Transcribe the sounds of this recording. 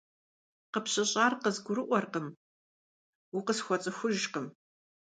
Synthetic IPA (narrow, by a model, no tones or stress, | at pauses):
qəpɕɪɕʼaːrqəzɡʷʊɾɨʔʷɔrqəm | wuqəsxʷɔt͡sʼɨxʷʊʒqəm